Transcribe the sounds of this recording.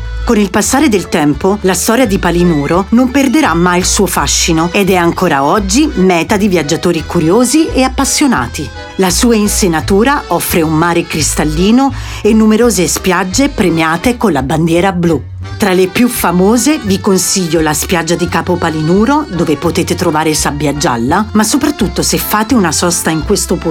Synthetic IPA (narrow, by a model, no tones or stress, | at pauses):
konilpasːaːɾed̪elt̪ɛmpolast̪ɔːɾjad̪ipalinuːɾonomperd̪eɾamːajilsuːofaʃːinoed̪ɛaŋkoːɾaɔd͡ʒːimɛːt̪ad̪ivjad͡ʒat̪oːɾikuɾjoːzieapːasːjona̰ːt̪i | lasuːainsenat̪uːɾaʔɔfːɾeumːaːɾekɾist̪alːiːno | enːumeɾoːzespjad͡ʒːepɾemjaːt̪ekonlaband̪jɛːɾablu | t̪ɾalepjufamoːzevikonsiʎːolaspjad͡ʒːad̪ikaːpopalinuːɾod̪oːvepot̪eːt̪et̪ɾovaːɾesabːjad͡ʒːa̰lːamasːopɾat̪ːut̪ːosefːaːt̪eunasɔst̪aiŋkwest̪op